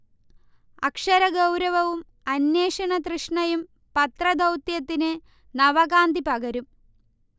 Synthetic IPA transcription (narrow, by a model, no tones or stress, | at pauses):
ɐkʂɐɾɐɡɐwɾɐʋɐʋum | ɐnjeːʂɐɳɐt̪rɨʂɳɐjum | pɐt̪rɐd̪ʱɐwt̪jɐt̪ːinɨ | nɐʋɐɡaːnd̪ipɐɡɐɾum